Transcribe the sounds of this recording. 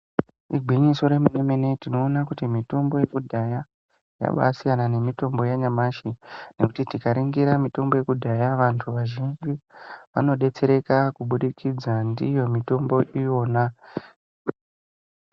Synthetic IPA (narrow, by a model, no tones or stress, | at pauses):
iɡʱwiɲiso̞ɾe̞munemene̞tino̞ːnakutimito̞mbo̞je̞kudʱaja | ja̰ɓa̰sijanane̞mito̞mbo̞jaɲamaʃine̞kutitikaɾiŋɡiɾamito̞mbo̞je̞kudʱajaʋantʰuʋaʒind͡ʒiʋano̞ɗe̞t͡se̞ɾe̞kakuɓuɗikʰid͡zandijo̞mito̞mbo̞ʔijo̞ːna